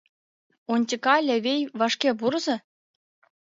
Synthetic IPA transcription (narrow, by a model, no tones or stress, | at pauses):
onʲtʲikɑlʲĕvʲejʋɑʂkʲebuɾzɤ̆